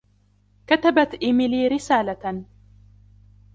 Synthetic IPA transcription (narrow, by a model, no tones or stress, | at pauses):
kat̪abat̪ʔɪmɪliːɾɪsaːla